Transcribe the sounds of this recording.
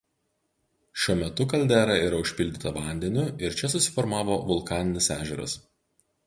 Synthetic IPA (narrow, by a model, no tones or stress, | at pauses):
ʃʲuɔmʲɛt̪ʊkɐlʲd̪ʲæːɾɐiːɾɐʊʃʲpʲɪlʲd̪ʲɪt̪ɐʋɑˑnʲd̪ʲɛnʲʊɪɾt͡ʃʲɛsʊsʲɪ̥fɔɾmɑːʋoːʋʊlˠkɑːnʲɪnʲɪsæːʒʲɛɾɐ̰s